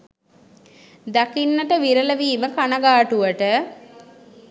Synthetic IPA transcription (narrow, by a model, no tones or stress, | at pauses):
d̪akinːəʈəʋiɾələʋiːməkanaɡaːʈuʋəʈə